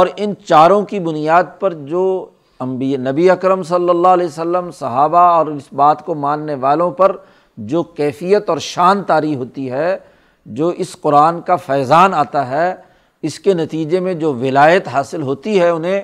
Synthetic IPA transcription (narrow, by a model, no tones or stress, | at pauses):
ɔːɾɪnt͡ʃaːɾõkibʊnijaːd̪̚pɐɾd͡ʒoː | ɐ̃mbinɐbiɐkɾəmsɐlːəlːaɦlɛːsəlːəmsɐɦaːbaɔːɾɪsbaːt̪komãːnːeʋaːlõpɐɾ | d͡ʒoːkɛːfijət̪ɔːɾʃaːnt̪aːɾiɦoːt̪iɦɛ | d͡ʒoːʔɪsqʊɾaːnkafɛːzaːnaːt̪aɦɛ | ɪskenɐt̪iːd͡ʒemẽd͡ʒoːʋɪlaːjət̪ɦaːsɪlɦoːt̪iɦɛʊnɦẽ